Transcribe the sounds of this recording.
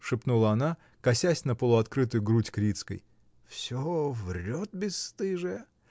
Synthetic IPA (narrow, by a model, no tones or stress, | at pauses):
ʂɨpnulˠəɐna | kɐsʲæsʲnəpəlˠʊɐt̪kɾɨt̪ʊjʊɡɾutʲkɾʲit̪skə̰j | fsʲovrʲot̪̚bʲɪst̪ɨʐɨjə